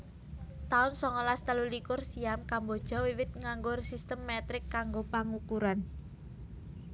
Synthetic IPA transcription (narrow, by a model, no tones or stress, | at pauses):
t̪aʊnsɔŋɔlast̪əlulikʊrsiamkambod̥ʒ̥ɔ̤wiwɪt̪̚ŋaŋɡʊrsist̪əmːɛt̪ɾɪkːaŋɡopaŋukuɾan